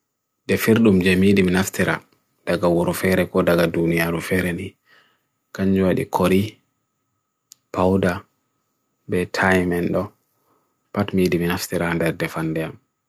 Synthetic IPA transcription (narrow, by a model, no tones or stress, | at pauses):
dɛfiɾɗumd͡ʒɛmidiminaftiɾʔa̰ | d̥aɡawuɾɔfɛɾɛkɔdaɡadunijaɾufɛɾɛni | kaɲd͡ʒuwaɗḭkʰoɾi | pawda | bɛtʰajmɛnɗɔ | patmidiminaftiɾandɛɾdɛfandɛam